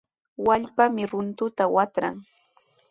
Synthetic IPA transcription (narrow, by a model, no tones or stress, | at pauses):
waʎpamɪɾʊnt̪ʊt̪awat̪ɾa̰ŋ